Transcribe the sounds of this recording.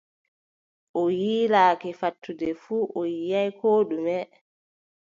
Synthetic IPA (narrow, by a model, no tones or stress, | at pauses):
ʔɔjiːlaːkɛfatʰːudɛfuːʔɔjijajkʰoːɗumɛ